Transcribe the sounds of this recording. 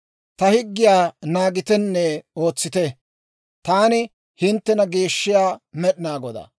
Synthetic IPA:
t̪ɐhɪɡːɪjaːnaːɡɪt̪ɛnːɛo̞ːt͡sːɪt̪ɛ | t̪aːnɪ | hɪnt̪ːɛnɐɡeːʃːɪjaːmɛɗɪnaːɡɔd̪a̰

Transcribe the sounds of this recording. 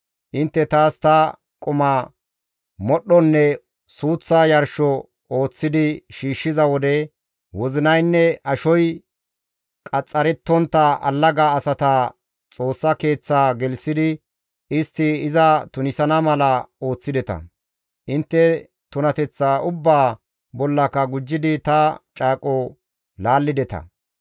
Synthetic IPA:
ʔɪnt̪ːɛt̪aːst̪ɐ | kʼʊmɐ | mɔɗːɔnːɛ | suːt͡sːaːjɐɾʃɔ | o̞ːt͡sːɪd̪ɪʃiːʃːɪzɐwɔd̪ɛ | wɔzɪnɐjnːɛʔɐʃɔj | kʼɐt͡sʼːɐɾɛt̪ːɔnt̪ːɐʔɐ̰lːɐɡaːsɐt̪aː | t͡sʼo̞ːsːɐke̞ːt͡sːaːɡɛlsɪd̪ɪ | ɪst̪ːɪɪzɐt̪ʊnɪsɐnɐmɐlɐo̞ːt͡sːɪd̪ɛt̪ɐ̰ | ʔɪnt̪ːɛ | t̪ʊnɐt̪ɛt͡sːaːʔʊbːaː | bɔlːɐkːɐɡʊd͡ʒːɪd̪ɪt̪ɐt͡ʃʼaːkʼɔ | laːlːɪd̪ɛt̪ɐ̰

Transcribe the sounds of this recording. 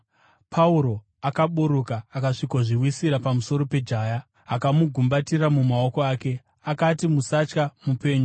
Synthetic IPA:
pʰauɾo̞ | akaɓuɾukaːkaʂikoʐiwisiɾapamuso̞ɾo̞pe̞d͡ʒʱaːja | akamuɡʱumbatiramumao̞ko̞aːke̞ | akatimusat͡ʃkamupe̞ːɲu

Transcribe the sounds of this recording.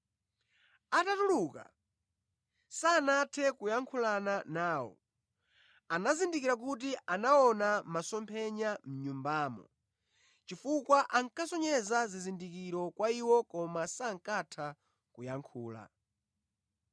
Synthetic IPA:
atatuluka̰ | sanatʰɛkujaŋkʰulananaːwɔ̰ | anazindikiɾak̬ut̬iʔanaɔnamasɔmpʰɛɲam̩ɲumbaːmɔ̰ | t͡ʃifukwaʔaŋkasɔɲɛzazizindikiɾɔkwaiwɔkɔmasaŋ̩katʰa | kujaŋkʰuːla̰

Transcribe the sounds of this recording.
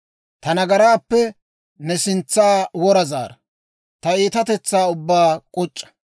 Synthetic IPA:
t̪ɐnɐɡɐɾaːpːɛ | nɛsɪnt͡sːaːwɔɾɐza̰ːɾɐ | t̪ɐiːt̪ɐt̪ɛt͡sːaːʊbːaːkʼɔt͡ʃʼːɐ̥

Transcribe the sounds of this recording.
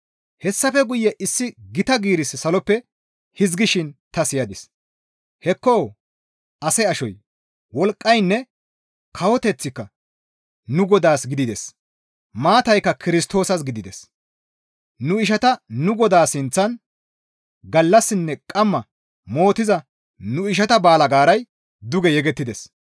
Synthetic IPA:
hɛsːɐfɛɡʊjːɛʔɪsːɪɡɪt̪ɐɡiːɾɪssɐlɔpːɛ | hɪzɡɪʃɪnt̪ɐsɪjɐd̪ɪs | hɛkːoː | ɐsɛɐʃɔj | wɔlkʼːɐjnːɛ | kʰɐwɔt̪ɛt͡sːɪkːɐ | nʊɡɔd̪aːsɡɪd̪ɪd̪ɛs | maːt̪ɐjkːɐkɪɾɪst̪o̞ːsɐs̬ɡɪd̪ɪd̪ɛs | nʊɪʃ̬ɐt̪ɐnʊɡɔd̪aːsɪnt͡sːɐn | ɡɐlːɐsːɪnːɛkʼɐmːɐ | mo̞ːt̪ɪzɐ | nʊɪʃ̬ɐt̪ɐbaːlɐɡaːɾɐj | d̪ʊɡɛjɛɡɛt̪ːɪd̪ɛs

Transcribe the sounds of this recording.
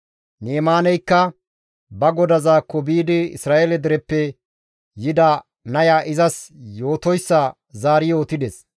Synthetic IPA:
neːmaːnɛjkːɐ | bɐɡɔd̪ɐzaːkːɔbiːd̪ɪɪ̰sɾaːʔelɛd̪ɛɾɛpːɛ | jɪd̪ɐ | nɐjaːʔɪzɐsjo̞ːt̪ɔjsːɐ | zaːɾɪjo̞ːt̪ɪd̪ɛs

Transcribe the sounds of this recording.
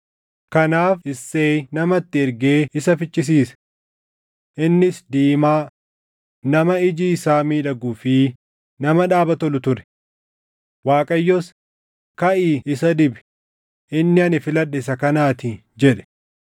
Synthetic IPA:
kɐnaːfɪsːeːnɐmɐt̪ːɪɪɾɡeːɪsɐfɪt͡ʃʼːɪs̬iːsɐ̥ | ʔɪnːɪsd̪iːmaː | nɐmɐɪd͡ʒiːɪsaːmiːᶑɐɡʊːfi | nɐmɐᶑaːbɐt̪ɔlʊt̪ʊɾɛ̥ | waːkʼɐjːɔs | kɐʔiːɪsɐd̪ɪbɛ̥ | ʔɪnːɪɐnɪfɪlɐᶑːɪsɐkɐnaːt̪ɪ | d͡ʒɛᶑɛ̥

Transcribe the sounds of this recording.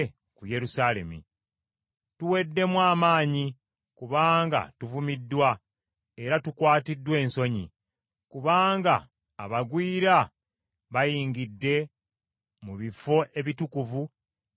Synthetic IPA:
kuje̞ɾusaːle̞̰mḭ | tuwe̞dːe̞mwaːmaːɲi | kuβaːŋɡa̰tuvumidːwa | e̞ɾatukwaːtidːwe̞ːnso̞ɲḭ | kuβaːŋɡaː | βaɡwiːɾa | βajiːŋɡidːe̞ | muβifo̞ʔe̞βitukuvu

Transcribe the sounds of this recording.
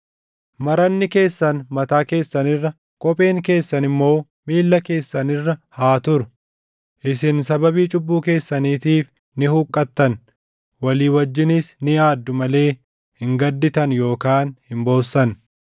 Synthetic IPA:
mɐɾɐnːɪke̞ːsːɐnmɐt̪aːke̞ːsːɐnɪrːɐ | kʼɔpʼe̞ːŋke̞ːsːɐnɪmːo̞ː | miːlːɐke̞ːsːɐnɪrːɐhaːt̪ʊɾʊ | ʔɪsɪnsɐbɐbiːt͡ʃʼʊbːuːke̞ːsːɐniːt̪iːf | nɪhuːkʼːɐt̪ːɐn | wɐliːwɐd͡ʒːɪnɪsnɪjaːd̪ːʊmɐle̞ː | hɪŋɡɐd̪ːɪt̪ɐnjo̞ːkaːnhɪmbo̞ːsːɐn

